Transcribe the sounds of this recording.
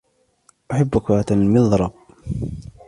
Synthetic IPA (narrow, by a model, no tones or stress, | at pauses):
ʔaħabːʊkat̪almɪðˤɾˤɑb̚